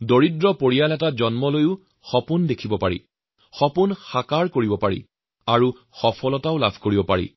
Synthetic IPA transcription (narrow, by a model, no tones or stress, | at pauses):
doɹidɹɔpoɹijalɛtad͡ʑɔnmɔlojʊ | xɔpundekʰibɔpaɹḭ | xɔpunxakaɹkoɹibɔpaɹḭ | aɹu | xɔpʰɔlɔtaʊlabʱkoɹibɔpaɹḭ